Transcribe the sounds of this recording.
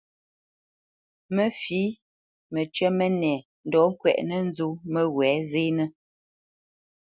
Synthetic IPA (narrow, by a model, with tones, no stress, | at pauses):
mə˦fiː˨˦ | mə˨t͡ʃɥɛ˦mə˦nɛ˨ | n̩˨dɔ˨˦ŋ̩˦kwɛ̰˨ʔnə˦n˦zu˦mə˦ɣwɛ˨˦zeː˦nə˦